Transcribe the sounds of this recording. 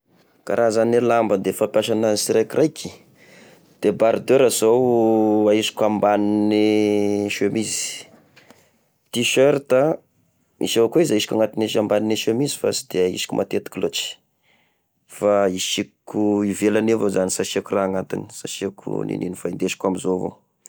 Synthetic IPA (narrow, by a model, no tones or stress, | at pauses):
ka̰ɾʔazanelambəd̪efapjaʃananisiɾajkirʔajkʰi̥ | d̪̥ebaɾd̪eɾaz̥owaiʃi̥kʲambaniniʃemizi̥ | t̪iʃøɾt̪a | ḭʃeakoizaisi̥kʲaŋat̪ineʃambanineʃemizi̥fa̰si̥d̪̥eaḭsi̥kʲṵmʔat̪et̪i̥kʲlot͡ʃi̥ | faiʃikuivelanevozanisaʃiakuraaŋat̪ḭni̥saʃiakʰṵnḭnḭnifaind̪eʃi̥kʲwamizovo̰